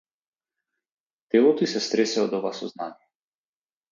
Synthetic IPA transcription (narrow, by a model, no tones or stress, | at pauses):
t̪ɛlˠɔt̪ɔisɛst̪ɾɛsɛɔd̪ɔvasɔznanijɛ